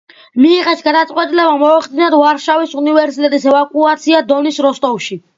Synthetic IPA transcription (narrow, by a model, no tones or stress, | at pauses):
miːʁɛsɡad̪at̪sʼqʼwɛt̪ʼilɛbamɔaχd̪inad̪vaɾʃavisunivɛɾsit̪ʼɛt̪ʼisɛvakʼuat̪sʰiad̪ɔnisɾɔst̪ʼɔvʃi